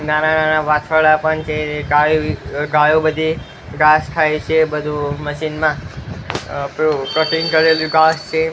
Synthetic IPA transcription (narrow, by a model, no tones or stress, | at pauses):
nanananaʋat͡ʃʰəɭapəɳt͡ʃʰeɡajuɡajõbəd̪ʱi | ɡasʈ̪ʰajt͡ʃʰebəd̪ʱũməʃinmã | pɾukəʈʰiŋɡkəɾeluɡast͡ʃʰe